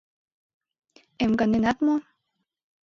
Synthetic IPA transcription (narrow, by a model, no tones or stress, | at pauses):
emɡanenat̪mo